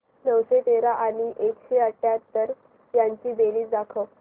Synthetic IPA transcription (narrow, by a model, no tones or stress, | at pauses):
nəwɕet̪eɾaʔaɽ̃iʔekɕeəʈjat̪ːəɾ | jaɲt͡ɕiːbeliːt͡sd̪akʰə